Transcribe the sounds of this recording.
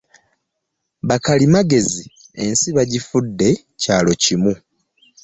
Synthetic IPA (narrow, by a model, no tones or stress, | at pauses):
βakalimaɡe̞zie̞nsiβaɟifudːe̞ | caːlo̞cimu